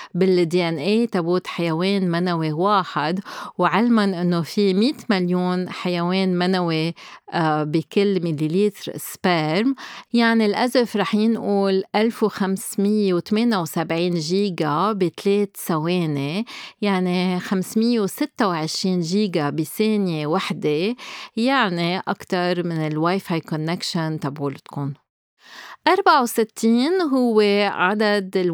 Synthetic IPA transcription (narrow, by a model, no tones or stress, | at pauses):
bɪld̪iʔɛnʔeːt̪abuːt̪ħajaweːnmanawewaːħɪd̪wʕɪlmanʔɪnːofimiːt̪maljuːnħajaweːnmanawe | bikɪlːmililiːt̪ɾspeɾmjaʕnilʔazɪfɾˤɑːħjɪnʔuːlʔalfwxamsmɪjːewt̪ameːnawsabʕiːnʒiːɡabit̪leːt̪saweːnejaʕnixamsmɪjːewsɪt̪ːawʕɪʃɾiːnʒiːɡabiseːnjewaħd̪ejaʕniʔa̰kt̪ɑɾˤmɪnɪlwajfajkɔnːekʃant̪abʕuːlt̪kʊn | ʔɑɾˤbaʕawsɪt̪ʰːiːnɦʊwːeʕad̪ad̪ɪl